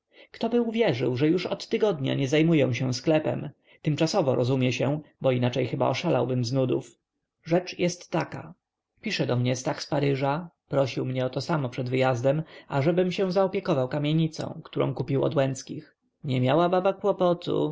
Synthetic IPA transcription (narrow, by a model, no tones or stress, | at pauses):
kt̪ɔbɘuvʲjɛʐɘ̰wʐɛjuʂɔt̪ːɘɡɔd̪ɲa̰ɲɛzajmujɛ̃w̃ɕɛw̃sklɛpɛ̰m | t̪ɘmt͡ʂasɔvɔɾʔɔzumʲjɛɕɛ̃bɔinat͡ʂɛjxɘba̰ɔʂalawbɘmznud̪ṵf | ʐɛt͡ʂjɛst̪ːaka̰ | pʲiʂɛd̪ɔmɲɛst̪axspaɾɘʐa | pɾɔɕiwmɲɛɔt̪ɔsamɔpʂɛd̪vɘjazd̪ɛmaʐɛbɘmɕɛ̃w̃zaɔpʲjɛkɔvawkamʲjeɲit̪sɔ̰̃w̃kt̪uɾʔɔ̰̃w̃kupʲiwɔ̰d̪wɛnt̪skʲix | ɲɛmʲjawababakwɔpɔt̪ʰṵ